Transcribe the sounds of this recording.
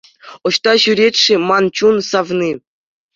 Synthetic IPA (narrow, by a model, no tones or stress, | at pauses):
ŏɕt̪ɑɕyɾʲet̪ʲʂɘ̆mɑnt͡ɕunsɑvnʲi